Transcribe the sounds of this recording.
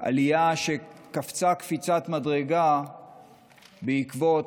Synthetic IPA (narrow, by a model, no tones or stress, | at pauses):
ʔa̰lijaʃe̞kaft͡sakfit͡sat̪madʁe̞ɡa | beikvot